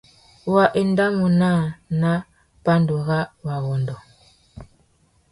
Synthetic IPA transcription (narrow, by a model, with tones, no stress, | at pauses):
wa˨ʔe˨nda˦mu˨na˦˨na˦ | pa˦ndo˨ɣa˦wa˨ɣɔ˨ndɔ˨